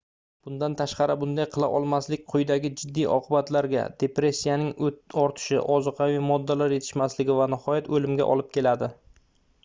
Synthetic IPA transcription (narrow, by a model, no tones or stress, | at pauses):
b̥ʊnd̪ant̪ʰaʃqɑɾɪbʊnd̪ajqʰɨlˠa̰ʔɒlˠmaslɪk̚ʲqʰʊjd̪aɡʲɪd͡ʒɪd̪ːijʔɒ̰qʰɨbat̪laɾɡʲa̰d̪̥e̞pɾe̞sʲːijanɪŋɒɾt̪ʰɪ̥ʃɪ̰ʔɒzɨqʰɑwijmɒd̪ːalaɾje̞t̪ʰɪʃmaslɪɡʲɪvanɪhɒjat̪ɵlɪmɡʲa̰ʔɒ̰lˠɪp̚kʲʰe̞lad̪ɪ